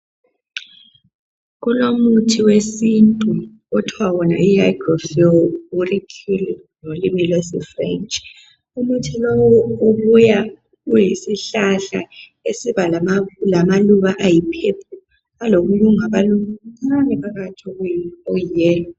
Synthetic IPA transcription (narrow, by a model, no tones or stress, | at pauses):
ɣulomutʰiwesintʼu | ɔtʰwawɔna̰iajɡrɔfiɔurikʰil | nolimilesḭfrɛ̰nt͡ʃʼ | umutʰilɔwɔuβuja | ɣujisiɬaɬa̰ | esiβamlamaluɣaʔajipʰepʰu | aloɣuluŋaβaluŋanɛpaɣatʰoɣuojijɛːlɔ